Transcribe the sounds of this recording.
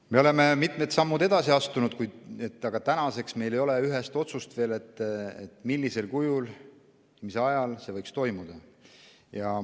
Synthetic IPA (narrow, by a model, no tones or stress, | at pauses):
me̞o̞le̞me̞mit̪ˑmet̪sɑmːud̪e̞d̪̥ɑsiɑst̪unud̪̥kujd̪et̪ːˑɑɡ̥ɑt̪ænɑse̞ksme̞jlejo̞le̞yɦe̞st̪o̞t̪sust̪ve̞ːle̞t̪ˑːet̪ːˑmilːise̞lkujul | misɑjɑlse̞vɤjkst̪o̞jmud̪̥ɑ | jɑ